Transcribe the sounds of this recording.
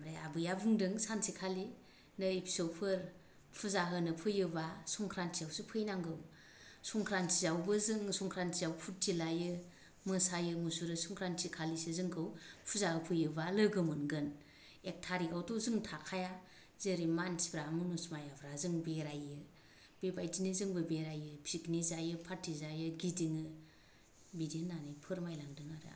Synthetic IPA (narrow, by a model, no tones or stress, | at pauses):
ɾeabɯjabɯŋdɯŋsansikʰali | nɯipʰi̥sowpʰɯɾ | pʰuzaɦɯnɯpʰɯjɯbasɔŋkʰɾansijawsɯpʰɯjnaŋɡɯm | suŋkʰɾansizawbɯzɯŋsuŋkʰɾansizawpʰut̚tilajɯ | mɯsajɯmusuɾɯsuŋkʰɾansikʰalisizɯŋkʰɯwpʰuzaɯpʰɯjɯbalɯɡɯmɯnɡɯn | ek̚tʰaɾiɡawdɔzɯŋtʰakʰaja | zeɾimansi̥bʰɾamɯnusmajabʰɾazɯŋbeɾajɯ | b̥ebajtinizɯŋbɯbeɾajɯpʰiknizajɯpʰaɾtʰːizajɯɡidiŋɯ | bidinanipʰɯɾmajlaŋdɯŋaɾɯ̰